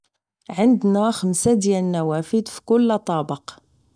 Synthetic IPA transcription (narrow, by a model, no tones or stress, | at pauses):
ʕənd̪næxəmsad̪jælənːæwæfəd̪fi̥kʊlːɑt̪ˤɑbəq